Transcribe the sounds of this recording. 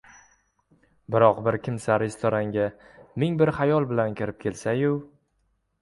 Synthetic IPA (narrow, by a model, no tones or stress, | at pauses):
bɪɾɒqbɪɾkʲʰɪmsaɾɪst̪ʰɒɾaŋɡʲamɪŋbɪɾhajɒlˠbɪlankʲʰɪɾɪp̚kʲʰe̞lsajʊ